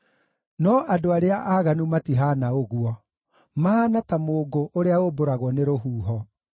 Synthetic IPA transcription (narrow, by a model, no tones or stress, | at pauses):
nɔʔadoaɾeaʔaɣanumatiɦanaoɣuɔ | maanatamoːɡoʔoɾeaoboɾaɣwɔneɾoɦuːɦɔ